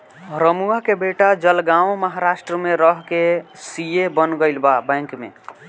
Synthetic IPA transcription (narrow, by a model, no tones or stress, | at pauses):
ɾəmuakebeʈad͡ʒəlɡawməɦaɾasʈɾəmeɾəɦkesijebənɡəɪlbabɛ̃ŋkmḛ